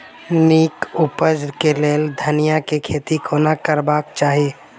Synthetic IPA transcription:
niːkʊpəd͡ʒɾkeleːld̪ʱənijakekʰeːt̪ikʰoːnakəɾbaːk̚t͡ʃaːɦieː

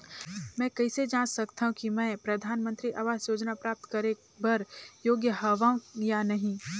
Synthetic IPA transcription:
mɛ̃ːkɐɪsed͡ʒãːnsɐkt̪aɦũkimɛ̃ːpɾɐd̪ʱaːnmə̃nt̪ɾiʔaːʋaːzjoːd͡ʒnapɾaːp̚t̪kɐɾe | bɐɾjoːɡjəɦɐʋaːũjanɐɦĩ

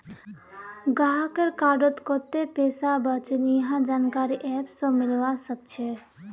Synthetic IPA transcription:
ɡaɦakəɾkaːɾɖot̪koːt̪epeːsabət͡ʃnijɦãd͡ʒaːnkaːɾiʔɛːpsomɪlʋasək̚t͡ʃʰe

